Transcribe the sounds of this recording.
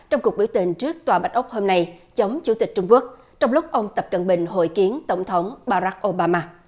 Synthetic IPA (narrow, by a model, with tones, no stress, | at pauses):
t͡ɕɔ˧wŋ͡mku˨˩ək̚ɓi˧˩wt̪ï˨˩ŋ̟t͡ɕɨ˦˥ək̚t̪waː˨˩ɓa˦˥t̟̚ʔʊ˦˥k͡p̚ho˧mna˧jt͡ɕə˨˦wŋ͡mt͡ɕu˨˧˩t̪i˨˩k̚t͡ɕʊ˧ŋ͡mku˦˥ək̚ | t͡ɕɔ˧wŋ͡mlʊ˦˥k͡p̚ʔə˧wŋ͡mt̪ə˨˩p̚kə˨˩nɓï˨˩ŋ̟ɦo̰˧˨jki˨˦ənt̪ə˧˩wŋ͡mt̪ʰə˨˦wŋ͡mɓaː˧ɾa˦˥k̚ʔo˧ɓaː˧maː˧